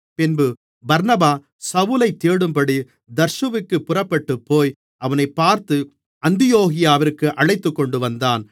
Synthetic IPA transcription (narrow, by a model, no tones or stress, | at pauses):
pɪnbɯ | bɐɾnɐbaː | sɐʋʊlɐɪt̪ːeːɽɯmpɐɽi | d̪ɐɾʃɯʋɪkːɯpːʊrɐpːɐʈːɯpːoːj | ʔɐʋɐnɐɪpːaːɾt̪ɯ | ɐnd̪ɪjoːɣɪjaːʋɪɾkːɯʔɐɭɐɪt̪ːɯkːɔɳɖɯʋɐnd̪aːn